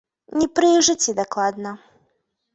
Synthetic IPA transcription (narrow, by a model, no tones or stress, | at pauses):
nʲɛpɾɨʐɨt͡sʲid̪ɐklˠad̪nɐ